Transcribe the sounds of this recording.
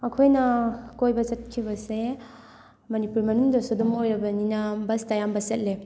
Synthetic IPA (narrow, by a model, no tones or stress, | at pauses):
ɐkʰojnɐkojbɐsɐt̚kʰibɐse | mɐnipuɾmɐnuŋdɐsudɔmojɾɐbɐninɐbɐstajambɐsɐt̚le